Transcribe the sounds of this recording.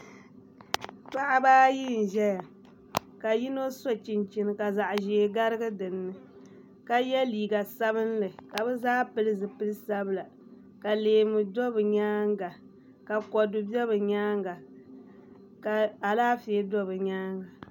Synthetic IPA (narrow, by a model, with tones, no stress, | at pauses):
pa˦ʔa˦baː˦ji˦n̩˨ʒɛ˦ja˨ | ka˨ji˦no˦sɔ˦t͡ʃi˨nt͡ʃi˨nɨ˨ka˨za˨ʔʒeː˨ɡa˦ɾɨ˦ɡɨ˦dɨ˨nːɨ˦ | ka˨jɛ˦liː˨ɡa˨sa˦βɨ˦nlɨ˨ka˨bɛ˦zaː˦pɨ˦lɨ˦zɨ˨pɨ˦lɨ˦sa˦bɨ˦la˨ | ka˨leː˨mɨ˨dɔ˦bɨ˨ɲaː˦ŋɡa˨ | ka˨kɔ˨dʊ˨bɛ˦bɨ˨ɲaː˦ŋ˦ɡa˨ | ka˨a˨laː˦fe˨˦dɔ˦bɨ˨ɲaː˦ŋɡa˨